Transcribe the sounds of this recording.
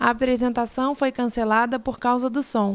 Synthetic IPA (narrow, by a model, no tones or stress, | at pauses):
ɐapɾezẽnt̪asɐ̃w̃fojkɐ̃selad̪ɐpoɾkawzɐd̪ʊsõ